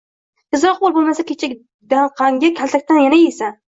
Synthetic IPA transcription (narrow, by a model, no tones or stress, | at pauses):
ɪzɾɒqbolˠbolˠmasakʲʰet͡ʃʰɪkʲ | d̪aɴqʰɑŋɡʲakʲʰalt̪ʰak̚ʲt̪anjanajesan